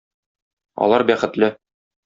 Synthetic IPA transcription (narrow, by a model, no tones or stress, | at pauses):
ɒ̰lˠɑɾbæχɘ̆t̪lɘ